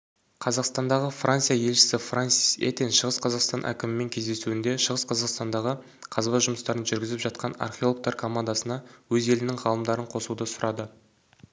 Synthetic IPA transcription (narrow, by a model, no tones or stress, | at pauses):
qʰɑzɑqst̪ɑnd̪ɑʁəfrʔant̪sijaje̞lʃɪ̥sɪfransi̥sḛt̪enʃəʁəsqʰɑzɑqst̪ɑnʔæ̰kʲɪmɪmːe̞ŋkʲʰe̞zd̪e̞suɪnd̪e̞ʃəʁəsqʰɑzɑqst̪ɑnd̪ɑʁə | qʰɑzbɑʒʊməst̪ɑɾənʒʏɾɡʲɪzɪpʒɑt̪̚qʰɑnɑ̰rχʲeolˠk̚t̪ɑɾkʰo̞mand̪ɑsənɑwɵze̞lɪnɪŋʁɑlˠəmd̪ɑɾəɴqʰo̞sud̪əsʊɾʔɑd̪ə